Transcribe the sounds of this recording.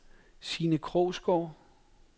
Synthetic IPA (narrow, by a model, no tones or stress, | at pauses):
siːnəkʰʁɔʊsɡ̥ɒː